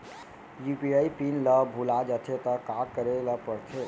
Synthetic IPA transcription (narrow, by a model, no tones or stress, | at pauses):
jupiajpinləbʱulad͡ʒət̪ʰet̪əkaɡkəɾelapəɾt̪ʰe